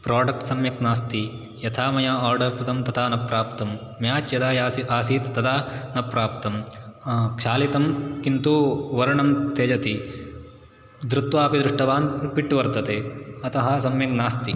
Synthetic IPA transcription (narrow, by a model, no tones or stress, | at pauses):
pɾaːɖɐk̚ʈsɐmjɐknaːst̪i | jɐt̪ʰaːmɐjaːaːɾɖɐɾpɾɐd̪ɐmt̪ɐt̪ʰaːnɐpɾaːpt̪ɐmː | jaːt͡ʃjɐd̪aːjiaːsiːt̪t̪ɐd̪aːnɐpɾaːp̚t̪ɐm | kʃaːlit̪ɐmkint̪uʋɐɾɐɳɐmt̪eːd͡ʒɐt̪i | d̪ɾut̪ʋaːpid̪ɾuʂʈɐʋaːnpiʈːʋɐɾt̪ɐt̪eːɐt̪ɐɦɐsɐmjɐknaːst̪i